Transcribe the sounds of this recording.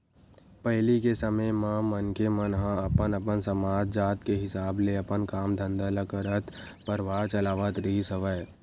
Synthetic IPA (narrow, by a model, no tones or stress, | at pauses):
pəɦɪlikesəməjmãmənkemənɦãɐpənəpənsəmaːd͡ʒd͡ʒaːt̪keɦɪsaːbleəpənkaːmd̪ʱə̃nd̪aləkəɾət̪ | pəɾʋaːɾt͡ʃəlaːʋət̪ɾəɦisəʋəj